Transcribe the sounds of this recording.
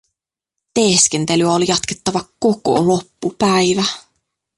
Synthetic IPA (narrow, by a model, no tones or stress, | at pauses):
t̪eːske̞nt̪e̞lyæoljɑt̪ke̞t̪ːɑʋɑko̞ko̞̰lo̞pːupæjʋæ